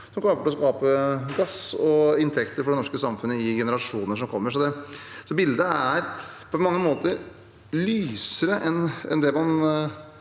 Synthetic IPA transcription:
sɔmkʰlɑːkəʈɔskɑːpəɡɑsɔɪnt̪ʰɛkt̪əɾfɔɖɛnɔʂkəsɑmfʉnːəɪɡɛnəɾɑʂuːnəʂɔmkʰɔmːəʂɔd̪ɛsɔbɪld̪əæɾpʰɔmɑŋːəmoːt̪əɾ | lyːsəɾəʔɛnɛ̰nd̪ɛmɑn

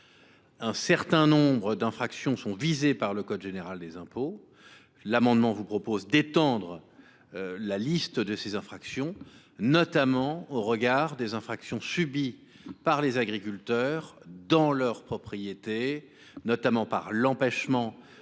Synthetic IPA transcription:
ɛ̃sɛʁt̪ɛ̃nɔ̃bʁəd̪ɛ̃fχaksjɔ̃sɔ̃vizepaʁləkɔd̪ʒeneʁald̪ezɛ̃po | lamɑ̃d̪mɑ̃vupχɔpozd̪et̪ɑ̃d̪ʁə | lalist̪d̪əsezɛ̃fχaksjɔ̃ | nɔt̪amɑ̃oʁəɡaʁd̪ezɛ̃fχaksjɔ̃sybi | paʁlezaɡʁikʲylt̪œʁd̪ɑ̃lœʁpχɔpχijet̪e | nɔt̪amɑ̃paʁlɑ̃pɛʃmɑ̃

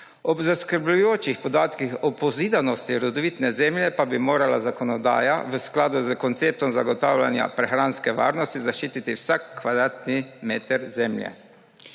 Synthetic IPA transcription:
ɔbzaskəɾblujoːt͡ʃixpɔd̪aːt̪kixɔpɔziːd̪anɔst̪iɾɔd̪ɔʋit̪nɛzɛmljɛpabimoːɾala̰zakɔnɔd̪a̰ːja̰ʋəsklaːd̪uzəkɔnt̪seːp̚t̪ɔmzaɡɔt̪aːwlʲa̰nja̰pɾɛxɾanskɛʋa̰ːɾnɔst̪izaʃt͡ʃiːt̪it̪iwsakːʋad̪ɾaːt̪nimeːt̪ɛɾzɛmljɛ̰

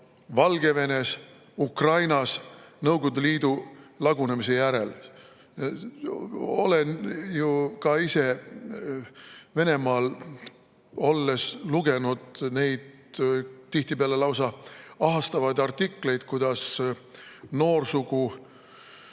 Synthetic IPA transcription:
vɑlɡe̞ve̞ne̞s | ukrɑjnɑsnɤwɡ̥od̪uliːd̪̥ulɑɡunemise̞jæɾe̞l | o̞̰lenjukɑise̞ | ve̞ne̞mɑːl | o̞lːe̞sluɡ̥e̞nud̪̥ne̞jd̪̥ | t̪ːiht̪ipeɑle̞lɑwsɑɑɦɑst̪ɑvɑjd̪̥ɑrt̪ːikːle̞jd̪̥kujd̪̥ɑs | no̞ːrsuɡ̥u

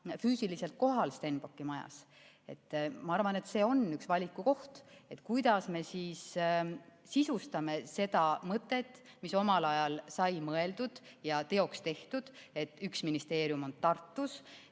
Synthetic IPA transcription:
fyːsilise̞lt̪̚ko̞ɦɑlst̪e̞nb̥o̞kːimɑjɑ̰s | e̞t̪ːmɑɑrvɑne̞t̪se̞ːo̞nːyksvɑlʲikːuko̞ht̪e̞t̪ˑkujd̪̥ɑsme̞siːs | sisust̪ɑme̞se̞d̪̥ɑmɤt̪ˑːe̞t̪ːˑ | miso̞mɑlɑjɑlsɑjmɤe̞ld̪ud̪̥jɑt̪e̞o̞kst̪e̞ht̪ud̪̥e̞t̪ːyksminist̪e̞ːɾjumo̞nt̪ɑrt̪ːus

